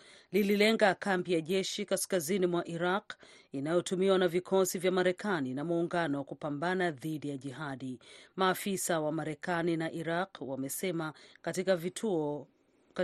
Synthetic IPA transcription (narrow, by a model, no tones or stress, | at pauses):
lililɛŋɡakambijaʄɛʃikaskazinimwaʔiɾaq | inajɔtumiwanavikʰɔsivjamaɾɛkaninamuːŋɡanɔwakupambanaðiɗijaʄiɦaɗimaːfisawamaɾɛkaninaʔiɾaqwamɛsɛmakatikavitʰuɔ | k